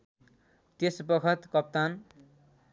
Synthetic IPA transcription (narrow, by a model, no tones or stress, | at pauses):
t̪esbʌkʰʌt̪kʌp̚t̪an